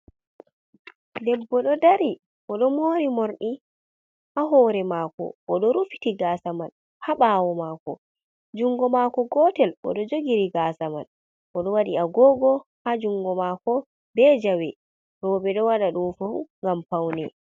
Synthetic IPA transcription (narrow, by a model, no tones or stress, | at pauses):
dɛbːɔɗɔdaɾi | ʔɔɗɔmoːɾimoɾɗi | ʔaɦɔːɾɛmaːkɔ̰ːɗɔɾufi̥tiɡaːsaman | haɓaːwɔmaːkɔ | d͡ʒuŋɡɔmakɔɡɔːtɛlʔɔ̰ɗɔd͡ʒoɡiɾiɡasama̰n | ʔɔɗɔwaɗiaɡɔːɡɔhad͡ʒuŋɡɔmakɔ | bɛd͡ʒawɛ | ɾɔːbɛɗɔwaɗaɗunfafuŋɡampawnɛ